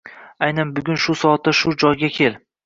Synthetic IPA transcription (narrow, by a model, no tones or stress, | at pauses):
ajnanbʊɡʲʊnʃʊsɒat̪ːaʃʊd͡ʒɒjɡʲakʲʰel